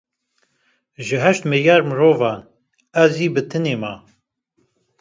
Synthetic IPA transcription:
ʒɨɦɛʃt̪mɨɾjɑːɾmɨɾoːvɑːn | ɛziːbɨt̪ʰɨneːmɑː

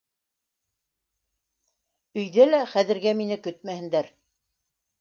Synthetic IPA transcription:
ɵ̆jðælæχæðɘ̆ɾɡæminɘkɵt̪mæhɘ̆nd̪æɾ

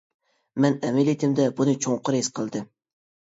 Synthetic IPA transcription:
mɛnɛmelit̪ʰɪmd̪ɛbunɨt͡ʃʰoŋqʰʊɾesqʰəlˠd̪ɨ

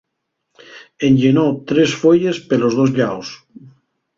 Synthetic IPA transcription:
enʲʎenot̪ɾesfoʎespelozðozʎaws

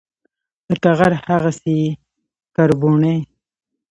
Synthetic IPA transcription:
d̪̥əʈaɣaɾhaɣase | kaɾbuɳej

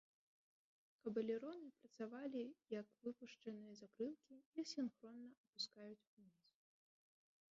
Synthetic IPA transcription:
kɐbɐlʲɛɾɔnɨpɾɐt̪savalʲijɐkvɨpuʂt͡ʂɐnɨjɐzakɾɨlˠkʲiisʲinxɾɔnːɐʔɐpuskajut͡sʲunʲis

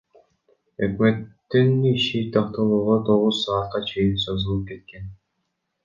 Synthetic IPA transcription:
økme̞t̪ːiniʃit̪ʰɑqt̪ɑlˠuːʁot̪ʰo̞ʁuzsɑːt̪̚qɑt͡ʃʰe̞jinsozɯlˠɯp̚ke̞t̪̚ke̞n

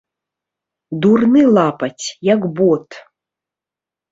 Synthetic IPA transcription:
d̪urnɨlˠapɐt͡sʲjakbɔt̪

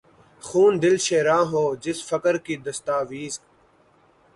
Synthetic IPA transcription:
xuːnd̪ɪlʃeːɾãːɦoːd͡ʒɪsfəkəɾkiːd̪əst̪aːʋiːzk

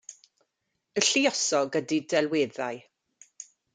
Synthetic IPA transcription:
əɬiɔsɔɡədidɛlˠweːða̰j

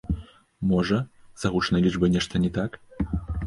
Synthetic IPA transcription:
mɔʐɐz̥ɐɣut͡ʂnɐjlʲid͡ʐbɨnʲɛʂt̪ɐnʲɛt̪ak

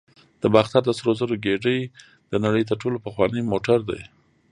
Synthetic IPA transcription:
d̪̥əbɑxt̪aɾd̪əsɾozaɾoɡeɖəj | d̪̥ənaɽəjt̪̬əɾʈolopəxwɑnəjmoʈaɾd̪a̰j

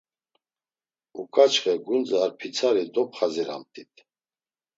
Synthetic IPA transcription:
ukʰat͡ʃχɛɡunt͡saɾpʰit͡sʰaɾid̪ɔpχaziɾa̰mt̪ʰit̪ʰ

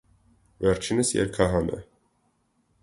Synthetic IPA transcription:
vɛɾt͡ʃʰinəsjɛ̰ɾkʰɑɦɑnɛ̰

